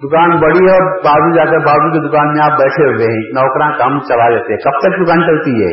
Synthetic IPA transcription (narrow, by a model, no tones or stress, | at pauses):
d̪ʊkaːnbɐɽiɦɛbaːbud͡ʒaːkebʱaːbuked̪ʊkaːnmẽaːp̚bɛːʈʰeʋẽɦnɔːkɾãkɐmt͡ʃɐlad͡ʒaːt̪eɦɛkɐb̚t̪ək̚d̪ʊkaːnt͡ʃɐlt̪iɦɛ̰ː